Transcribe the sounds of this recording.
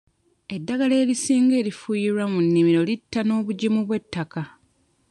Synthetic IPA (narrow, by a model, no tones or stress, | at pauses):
e̞dːaɡale̞ːɾisiːŋɡe̞ːɾifujiɾwamunːimiɾo̞litːano̞ːβuɟimuβwe̞tːaka